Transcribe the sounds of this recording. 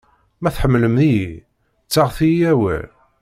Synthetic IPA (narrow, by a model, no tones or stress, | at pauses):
mæθħəmːləmniji | t͡sːaʁθiiæwæ̰l